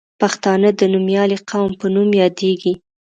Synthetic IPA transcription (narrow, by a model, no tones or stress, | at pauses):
paxt̪ɑnəd̪ənumjɑliqawmpənumjɑd̪eɡi